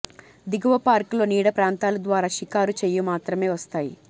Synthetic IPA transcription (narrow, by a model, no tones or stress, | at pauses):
d̪iɡuʋɐpaːɾkulo̞ːniːɽɐpɾaːnt̪aːlɐd̪ʋaːɾaːʃikaːɾut͡ʃejumaːt̪ɾɐme̞ːʋɐst̪aːjḭ